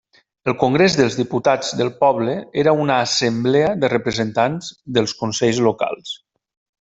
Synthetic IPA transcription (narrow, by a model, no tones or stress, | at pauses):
əlˠkoŋɡɾezðəlˠzðiput̪ad͡zd̪əlˠpɔβləeɾəunaːsəmbleəðərəpɾəzənt̪anzd̪əlˠskunsɛʎzloka̰lˠs